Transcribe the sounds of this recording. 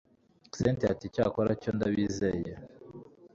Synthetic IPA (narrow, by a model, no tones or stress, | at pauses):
sentiaticaːkoɾacondaβiːzeje